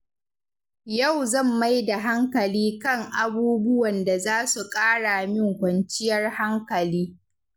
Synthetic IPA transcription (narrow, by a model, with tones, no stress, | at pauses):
jɐ˦˨wzɐ˦˨mːa˦jda˨ɦa˦ŋkɐ˨liː˦kɐ˦˨ŋʔa˨buː˦bʊ˦wɐ˨nda˨zaː˦su˨kʼaː˦ɽa˨mɪ˦ŋkʷɐ˨nt͡ʃɪ˦jɐ˦rha˦ŋkɐ˨liː˦